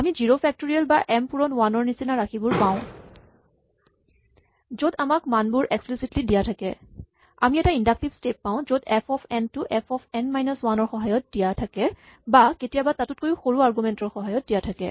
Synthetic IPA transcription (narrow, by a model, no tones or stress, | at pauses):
amiziɹopʰɛk̚toɹialbaʔɛmpuɹɔnwanɔɹnisinaɹaxibʊɹpãʊ̃ | zodamakmanbʊɹeksplisitlidijatʰakɛ | amiɛtaindak̚tibstep̚ːaʊ̃zodɛpʰɔpʰɛntʊʔɛpʰɔpʰɛnmajnɔswanɔɹxɔɦajɔt̚d̥ijatʰakɛ | baketijabatatʊt̚kojuxoɹuaɹɡumɛntɔɹxɔɦajɔt̚dijatʰakɛ̰